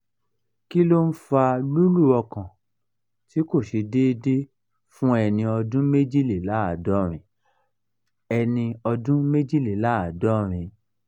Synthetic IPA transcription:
ki˦lo˦n̩˦fa˧lu˦lu˦˨ɔ˧kã˨ | ti˨˦ko˦˨ʃe˧de˦˧de˦ | fũ˦ɛ˧nĩ˧ɔ˧dũ˦me˦d͡ʒi˦˨li˨la˨˦a˨dɔ˨˦ɾ̃ĩ˨ | ɛ˧nĩ˧ɔ˧dũ˦me˦d͡ʒi˦˨li˨la˨˦a˨dɔ˦ɾ̃ĩ˧

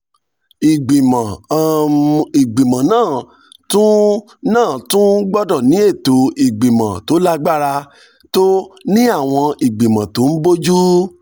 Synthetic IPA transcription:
i˨ɡ͡bĩ˨mã˨˦ | i˨ɡ͡bĩ˨mã˨nãː˦˨ | tũ˦ | nãː˦˨tũ˦ɡ͡bɔ˦dɔ˦˨nĩ˨˦e˦˨to˨i˨ɡ͡bĩ˨mã˨to˨˦la˦ɡ͡ba˦ɾa˧ | to˦nĩ˦a˦˨w̃ɔ̃˧i˨ɡ͡bĩ˨mã˨tõ˨˦n̩˦bo˦d͡ʒu˦

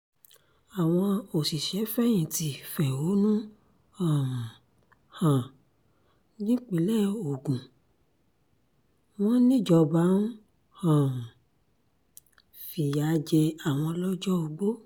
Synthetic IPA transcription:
a˨w̃ɔ̃˧o˨si˨ʃɛ˨˦fɛ˦j̃ĩ˨ti˨˦fɛ˨o˨˦nũ˦ | ã˨ | hã˨ | ɡĩ˦k͡pe˨˦lɛ˦˨o˨ɡũ˨ | w̃ɔ̃˦nĩ˦˨d͡ʒɔ˧ba˨˦nũ˦ | hã˨ | fi˨ja˨˧d͡ʒe˧a˨w̃ɔ̃˧lɔ˦d͡ʒɔ˦o˧ɡ͡bo˦

